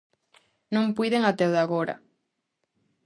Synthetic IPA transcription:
nõŋpujðeŋat̪ɛwðaɣoɾɐ̰

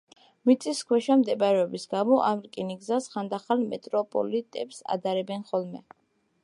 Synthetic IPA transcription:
mit̪sʼiskʰwɛʃamd̪ɛbaɾɛɔbisɡamɔʔamɾkʼiniɡzasχand̪aχalmɛt̪ʼɾɔpʼɔ̰lit̪ʼɛpsa̰d̪aɾɛbɛnχɔlˠmɛ̰

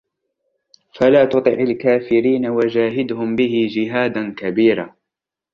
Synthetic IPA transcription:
falaːt̪ʊt̪ˤɨʕalkaːfɪɾiːnawad͡ʒaːɦɪd̪hʊmbɪhɪd͡ʒɪɦaːd̪ankabiːɾa̰ː

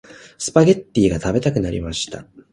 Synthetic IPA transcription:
sɨ̥paɡʲe̞t̪ːiːɡat̪abe̞t̪akɯ̟naɾʲḭmaɕi̥t̪a̰

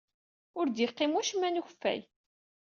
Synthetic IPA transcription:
ʊɾd̪jiqːimuʃmænuçfːæ̰j

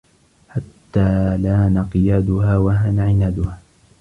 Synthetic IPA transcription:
ħat̪ːaːlaːnɑqɨjaːd̪ʊhaːwaɦaːnaʕɪnaːd̪ʊhaː

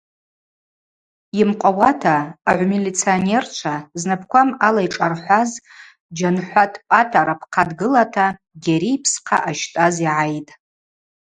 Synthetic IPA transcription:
imqʷʼawatʰaːʕʷmilit͡sʰionert͡ʃʷʰaznapʰkʷamalajʈ͡ʂʼarħʷaz | d͡ʒanħʷatʰʼpʼatʼaɾapʰqʰadɡɨlatʰa | ɡʲaɾijpʰsqʰa̰ʔaʃtʼaziʕajtʼ

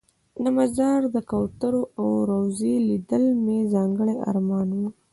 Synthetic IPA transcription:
namazɑɾd̪əkawt̪əɾoʔawɾawzelid̪əlmezɑŋɡəɽea̰ɾmɑnwu

